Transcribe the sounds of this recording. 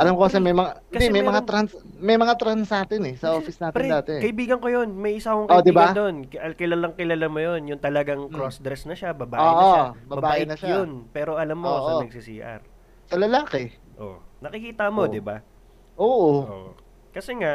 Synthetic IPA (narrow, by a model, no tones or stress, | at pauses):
ʔɐlamkosɛmɐjmɐŋaɪkɐsd̪imɐjmɐŋaɾansmɐjmɐŋat̪ɾansaːt̪ɪnɛsɐʔoːfɪsnaːtɪɾɛd̪aːt̪ɛkɐʔɪbiːɡɐŋko̞jo̞nmɐjʔɪsakoŋkɐoʔd̪ɪbad̪onkkɪlalaŋkɪlalamojo̞njʊnt̪ɐlɐɡaŋkɾosd̪ɾɛsnɐʃabɐbaːoʔɪʔ̪oʃabɐbɐbaaːʔːʔɪnɐʃajonpɛːɾo̞ʔɐlamːoosɐnɐɡ̚siːsiːʔɐ̰ɾ | sɐlɐlaːkɛ | ʔo̰nɐkɪkiːt̪ɐmo̞d̪ɪba | ʔoːʔooʔ | kɐsɛŋaʔ